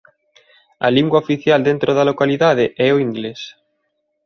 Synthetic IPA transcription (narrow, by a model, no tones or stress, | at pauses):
ɐ̰liŋɡwaofiθjald̪ent̪ɾoðalokaliðað̞eʔɛoiŋɡles